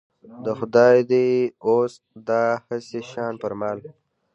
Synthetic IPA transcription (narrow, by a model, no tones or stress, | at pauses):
d̪əxʊd̪ɑjd̪eos | d̪ɑːhəseʃɑːnpəɾmɑːl